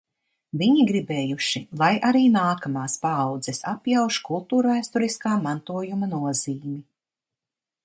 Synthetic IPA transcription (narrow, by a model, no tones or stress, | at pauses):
viɲiɡɾibɛːjuʃilˠajʔaɾiːnaːkamaːspaːwd̪zɛsapjawʃkulˠt̪uːɾvæːst̪uɾiskaːmant̪uɔjumanuɔziːmi